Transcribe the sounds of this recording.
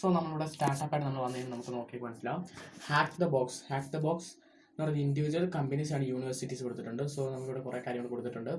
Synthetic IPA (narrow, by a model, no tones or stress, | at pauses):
soːnɐmːɐɭuɽestaːʈːɐpːaːʈɨnɐmːɐɭʋɐnːɐnɨnɐmukːɨno̞ːkːikːɨmɐnɐsilɐhaːkt̪d̪ɐboːkshaːkd̪ɐboːks | nɐɐrindiʋid͡ʑuwɐlkɐmbinis̬aːɳɨjuːɳiʋɐrsitːiskoɽut̪ːiʈːuɳɖɨsoːnɐmukːiʋːɽekurʔekːaːɾjɐmɐɳko̞ɽut̪ːiʈːuɳɖɨ